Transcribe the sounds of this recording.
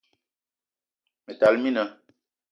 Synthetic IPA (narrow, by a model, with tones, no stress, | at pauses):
me˨ta˨lmi˦na˨˦